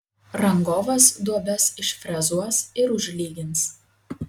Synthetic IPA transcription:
ɾɐŋɡoːʋɐsd̪uɔbʲɛsɪʃfʲɾʲɛzuɔsɪɾʊʒʲlʲiːɡʲɪns

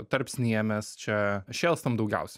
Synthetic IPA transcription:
t̪ɐɾʲpʲsʲnʲiɛmʲɛst͡ʃʲɛʃʲeːlˠst̪ɐmd̪ɐʊɡʲɛ̰ʊsʲɛ

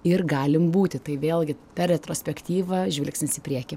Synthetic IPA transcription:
ɪrɡɑːlʲɪmbuːt̪ʲɪt̪ɐɪʋʲeːlʲˠɡʲɪpʲɛrʲrʲɛt̪ɾoːsʲpʲɛkt̪ʲiːʋɐʒʲʋʲɪlʲksʲnʲɪsɪpʲɾʲiɛkʲɪ

